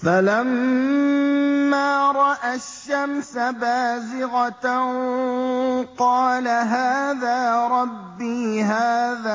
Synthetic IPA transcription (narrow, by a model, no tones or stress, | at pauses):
falam | aːɾˤɑʔaʃːamsabaːzɪɣat̪ | qɑːlaɦaːðaːɾˤɑbːiːɦaːðaː